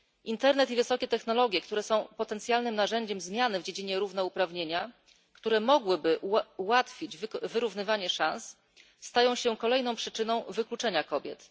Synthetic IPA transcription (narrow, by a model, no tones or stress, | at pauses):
ʔint̪ɛɾnɛt̪ivɘsɔkʲɛt̪ɛxn̪ɔlɔɡʲjɛkt̪uɾɛsɔ̃w̃pɔt̪ɛnt̪sʲjalnɘmnaʐɛɲd͡ʑɛmzmʲjanɘvd͡ʑed͡ʑiɲɛɾuvnɛupɾavɲeɲa | kt̪uɾɛmɔɡwɘbɘʔuwat̪fʲid͡ʑvvɘɾuvn̪ɘvaɲɛʂãns | st̪ajɔ̃w̃ɕɛkɔlɛjn̪ɔ̃w̃pʂɘt͡ʂɘnɔ̃w̃vɘklut͡ʂɛɲakɔbʲjɛ̰t̪